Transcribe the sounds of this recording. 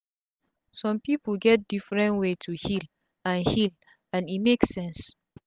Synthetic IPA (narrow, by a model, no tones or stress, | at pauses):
sɔ̃mpipəlɡɛt̚d̥ifɹɛ̃ntwetʰuhil | ãnhil | ãnimeksɛ̃ns